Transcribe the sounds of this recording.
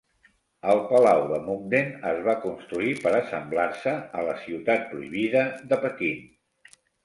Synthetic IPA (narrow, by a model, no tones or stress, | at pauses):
əlˠpəlawðəmuŋd̪enə̰zβakunst̪ɾuipəɾəsəmblaɾsəələsiwt̪at̪̚pɾuiβ̞iðəðəpəkin